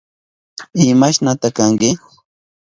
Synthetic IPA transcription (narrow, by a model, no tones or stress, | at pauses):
ɪmaʃnat̪akaŋkɪ